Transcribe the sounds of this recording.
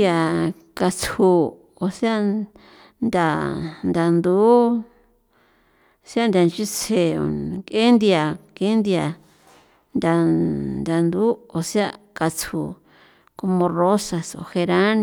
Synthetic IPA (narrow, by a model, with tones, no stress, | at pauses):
a˧˨ | ka˧t͡sʰu˧ | o˨si˦a˦˧ | nd̪a˨nd̪a˨nd̪u˨˦ | sja˦˧nd̪ʲa˨nt͡ʃi˦t͡sʰe˧˨o̰˨ke˦nd̪i˧a˨ke˦nd̪i˧a˨ | nd̪ʲa˨nd̪a˨nd̪u˨˦o˨si˦a˦˧ | ka˧t͡sʰṵ˨ | ko˧mõ˧ro˦sa˧so̰˨he˧ɾã˦ñ˧